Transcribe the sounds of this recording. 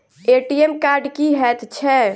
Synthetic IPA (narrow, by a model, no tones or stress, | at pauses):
eʈiemkaɾɖkiɦɛt̪t͡ʃʰɛ